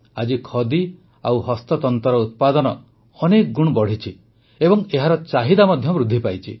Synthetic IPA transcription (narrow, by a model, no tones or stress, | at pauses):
ad͡ʒikʰɔd̪i | a̰wɦɔst̪ɔt̪ɔnt̪ɔɾɔut̪̚pad̪ɔnɔː | nekɡuɽ̃bɔɽ̤it͡ʃʰi | ebɔŋeɦaɾɔt͡ʃaɦid̪amɔd̪ʱjɔmɾud̪ʱːipajt͡ʃʰḭ